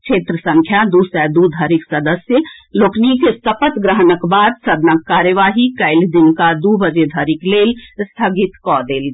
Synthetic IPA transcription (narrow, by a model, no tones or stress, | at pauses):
t͡ʃʰeːt̪ɾəsə̃ŋkʰjad̪usɛd̪ud̪ʱəɾiksəd̪əsjəloːknikesəpət̪ɡɾəɦənəkbaːd̪səd̪nakːaːɾjəʋaːɦikəɪld̪inkad̪ubəd͡ʒed̪ʱəɾikleːlst̪ʰəɡit̪kɔd̪eːl